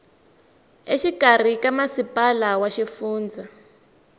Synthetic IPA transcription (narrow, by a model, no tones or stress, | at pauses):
eʃikʼar̤ikamasipʼalawaʃifuːnd͡za